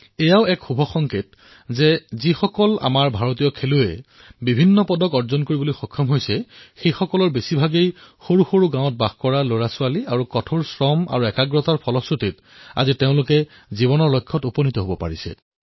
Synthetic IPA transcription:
ɛjaʊɛkxubʱɔxɔŋkʰet | zɛzixɔkɔla̰maɹbʱaɹot̬ijɔkʰeluɛ | bibʱinːɔpɔdɔkɔɹzɔnkoɹibolojxɔkʰːɔmɦojsɛxejxɔkɔlɔɹbesibʱaɡejxoɹuxoɹuɡãw̃ɔt̚baxkɔɹaloɹasʊaliaɹukɔtʰoɹsɹɔma̰ɹuɛkaɡɹɔtaɹpʰɔlɔsɹotit | a̰ziteʊ̃lʊkɛ | zibɔnɔɹlojkʰːɔtupɔnitɔɦobɔpa̰ɹisɛ̰

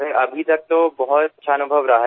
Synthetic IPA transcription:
ɦeʔɐbʱit̪ɐk̚t̪obɐɦʊt̪ɐtːʃʰaɐnʊbʱəʋɾɐɦa

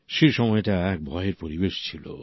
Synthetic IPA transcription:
ʃeɾʃɔmɔeʈaɛk̚bʱɔjeɾpoɾibeʃt͡ɕʰilo̰

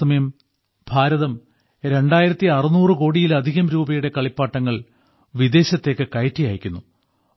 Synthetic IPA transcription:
ɐmjɐm | bʱaːɾɐðɐm | ɾe̞ɳɖaːjiɾɐt̪ːiɐrɨnuːrɨko̞ːɽijilɐd̪ʱiɣɐmɾuːbɐjuɽe̞kɐɭipːaːʈːɐŋːɐɭ | ʋid̪e̞ːɕɐt̪ːe̞ːkːɨkɐjtːijaːjikʲːunːu

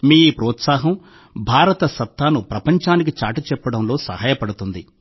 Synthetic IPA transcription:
miːpɾɔːt̪saːɦɐm | bʱaːɾɐt̪ɐsɐt̪ːaːnupɾɐpɐɲt͡ʃaːnik̬it͡ʃaːʈit͡ʃɛpːɐɽɐmlo̞ːsɐ̰haːjɐpɐɽut̪und̪i

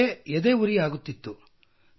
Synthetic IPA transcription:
eɛd̪eːuɾiaːɡut̪ːit̪ːu

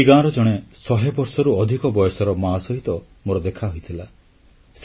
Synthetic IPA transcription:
iɡãɾɔd͡ʒɔɽ̃esɔɦebɔɾsɔɾuɔd̪ʱikɔbɔjɔsɔɾɔmasɔɦit̪ɔ | moɾɔd̪ekʰaɦojt̪ʰila | s

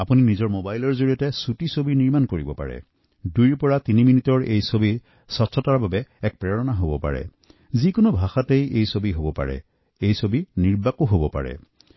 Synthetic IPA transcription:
apuninizɔɹmobajlɔɹzoɹiɔtɛsutisobiniɹmankoɹibɔpa̰ɹɛ̰ | dujɹpɔɹatiniminitɔɹejsobi | sɔtʰːɔtaɹbabɛɛk̚pɹɛɹɔnaɦobɔpa̰ɹɛ̰ | zikʊnubʱaxatejejsobiɦobɔpa̰ɹɛ̰ | ejsobiniɹbakuɦobɔpa̰ɹɛ̰

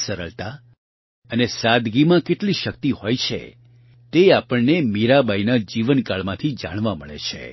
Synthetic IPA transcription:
səɾəɭt̪a | ənesad̪ɡimãkeʈliʃəkt̪ihojt͡ʃʰḛ | t̪eapəɳnemiɾabʱainad͡ʒiʋənkaɭmãt̪ʰid͡ʒa̰ɽ̃ʋaməɭḛt͡ʃʰḛ

